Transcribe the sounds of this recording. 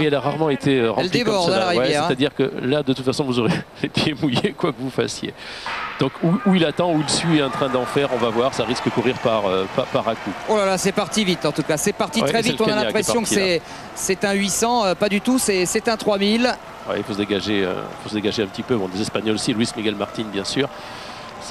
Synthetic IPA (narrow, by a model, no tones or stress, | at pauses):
ɛlaʁaʁmɑ̃et̪ʰeøʁɑɛlld̪ievɔʁd̪ɑ̃laʁjɛɛsɛʁt̪ad̪iʁkə̰lad̪ət̪ut̪fasɔ̃vuzɔʁe | et̪ʰemujekwakəvufa̰sjḛd̪̥ɔ̃kuuilat̪ɑ̃uilsɥiɑ̃t̪χɛ̃d̪ɑ̃fɛʁɔ̃vavwaʁsaʁiskəkuʁiʁpaʁøpapaʁakuolalasɛpaʁt̪ivit̪ɑ̃t̪ukasɛpaʁt̪iɛχɛɛviɛt̪ɔ̃nalɛ̃pʁχesjɔ̃ksɛ | sɛt̪ɛ̃ɥisɑ̃øpad̪yt̪usɛsɛt̪ɛ̃t̪χwamil | wɛ̰ilfosəd̪eɡaʒeø̰ḭlfosəd̪eɡaʒeɛ̃pət̪ipøbɔ̃d̪ezɛspaɲɔlsilwismiɡalmaʁt̪inbjɛ̃syːʁ | s